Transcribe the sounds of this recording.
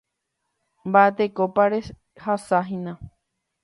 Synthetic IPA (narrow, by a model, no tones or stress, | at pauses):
mbaʔet̪ekopaɾe | hasaɦĩnã